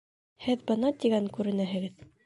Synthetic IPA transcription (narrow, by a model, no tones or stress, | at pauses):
hɘðbɤ̆nɑt̪iɡæŋkʉɾɘ̆næɦɘ̆ɡɘð